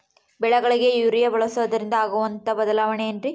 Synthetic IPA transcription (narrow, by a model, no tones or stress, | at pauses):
bɛɭɐɡɐɭiɡe̞juːɾijɐbɐɭɐsɐʋɐd̪ɐɾind̪ɐaːɡuʋɐnt̪ɐbɐd̪ɐlaːʋɐneːndɾi